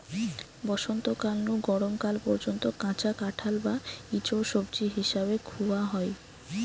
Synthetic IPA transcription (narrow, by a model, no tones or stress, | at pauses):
bɔʃont̪okalnuɡɔɽomkalpɔɾd͡ʑont̪okãt͡ɕakaʈʰalbait͡ɕoʃobd͡ʑiɦiʃaβekʰuaɦɔe